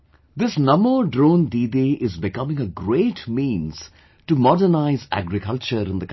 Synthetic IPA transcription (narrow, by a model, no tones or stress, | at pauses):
d̪ɪsnʌ̃məɖɾõːndiːdiʔɪzbɪkʌmɪ̃ŋəɡɾeːʈmĩːnz̥ | ʈumɔɖənaɪzæ̰ɡɾɪkʌlt͡ʃəɾɪ̃nd̪ək